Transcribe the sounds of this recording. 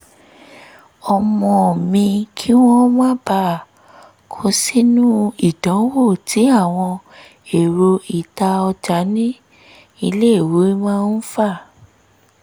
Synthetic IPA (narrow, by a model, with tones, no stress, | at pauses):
ɔ˧mɔ̃˧˨mĩ˧kʰi˦w̃ɔ̃˦mã˦ba˧˨ | kʰo˧˦si˦nũ˦i˦˨dã˨˦wo˦˨tʰi˨˦a˦˨w̃ɔ̃˧ | e˨ɾo˧i˨ta˧ɔ˧d͡ʒa˨˦nĩ˦ | i˧le˦i˦˨wo˨˦mã˦n̩˦fa˦˨